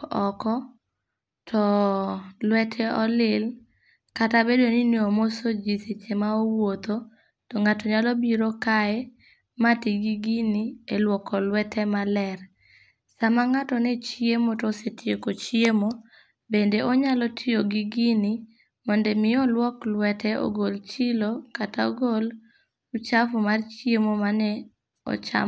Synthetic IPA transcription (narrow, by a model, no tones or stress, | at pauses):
ɔkɔ | tʰɔ | lwɛtʰɛɔlɪl | katabedonineomosod͡ʒiset͡ʃemaowot̪o | tɔŋatɔɲalɔbiɾokaɛ | matiɡiɡinielwɔkɔlwɛtʰɛmalɛr | samaŋatɔnɛt͡ʃjemotɔsetjekot͡ʃjemo | bendeʔɔɲalɔtʰɪjoɡiɡini | mɔndɛmɪjɔlwɔklwɛtʰɛʔo̰ɡolt͡ʃɪlokataoɡol | ut͡ʃafʊmart͡ʃjemomanɛ | ɔ̰t͡ʃa̰m